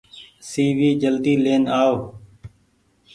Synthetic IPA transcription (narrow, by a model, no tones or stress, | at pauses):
siːʋiːd͡ʒəld̪iːleːnaːoː